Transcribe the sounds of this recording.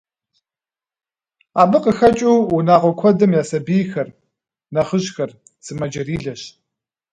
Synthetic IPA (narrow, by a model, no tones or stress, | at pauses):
aːbɨqəxɐt͡ʃʼuwunaːʁʷɔkʷʰɔdɐmjaːsɐbiːjxɐr | nɐχəʑxɐr | sɨmɐd͡ʒɐriːɮɐɕ